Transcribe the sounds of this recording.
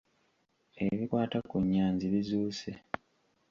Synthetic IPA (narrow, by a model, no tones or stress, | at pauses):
e̞βikwaːtakuɲːaːɲziβizuːse